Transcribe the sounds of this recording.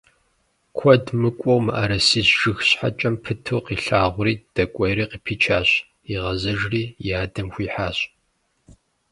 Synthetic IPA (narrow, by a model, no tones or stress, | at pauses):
kʷʰɔdmɨkʷʼɔwmɨʔa̰ːɾɐsiːzʒɨxɕħa̰t͡ʃʼɐmpʰɨtʰuːqiːɬaːʁʷʊriːd̥ɐkʷʼɔjɾiːqiːpʰiːt͡ʃʰaːɕ | iʁɐzɐʒriːjaːdɐmxʷiːħaːɕʼ